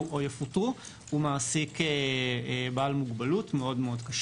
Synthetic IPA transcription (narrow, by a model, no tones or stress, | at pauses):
ojafutu | umaːsikeebaːlmuɡbalutmeo̞dmeo̞dkaʃ